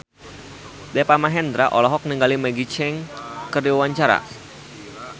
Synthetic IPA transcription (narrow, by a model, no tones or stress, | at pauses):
dɛpamaɦɛnd̪ɾaʔɔlɔɦɔk̚niŋɡalimɛɡit͡ʃɛŋkərdiwawaɲt͡ʃaɾa̰